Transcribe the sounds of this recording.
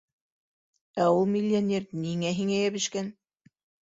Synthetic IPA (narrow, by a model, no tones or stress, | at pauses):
æulˠmʲɪlʲːonʲerniŋæɦiŋæjæβɘ̆ʃkæn